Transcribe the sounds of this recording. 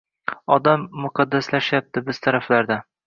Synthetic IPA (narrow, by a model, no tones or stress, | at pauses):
ɒd̪amːʊqʰɑd̪ːaslaʃjap̚t̪ʰɪbɪz̥t̪ʰaɾaflaɾd̪a